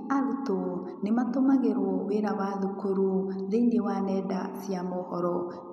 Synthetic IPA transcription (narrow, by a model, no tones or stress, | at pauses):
aɾuto | nematomaɣeɾwɔweɾawaðokoɾuðeindewanɛdasjamɔhɔɾɔ